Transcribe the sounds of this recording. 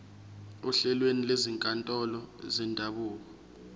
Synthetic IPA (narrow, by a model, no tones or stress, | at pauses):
uɬɛlwenileziŋkʼantʼɔlɔzɛndʱaɓuːk̬ɔ